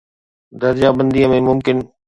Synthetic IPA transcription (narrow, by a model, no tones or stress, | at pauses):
d̪ɐɾd͡ʑabɐ̃nd̪iəmẽmʊmkɪn